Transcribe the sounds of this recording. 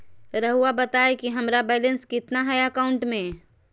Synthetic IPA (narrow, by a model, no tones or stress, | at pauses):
ɾəɦuabət̪aːekiɦəmɾabɛːlənskɪt̪naɦɛjəkaʊ̃ɳʈmẽ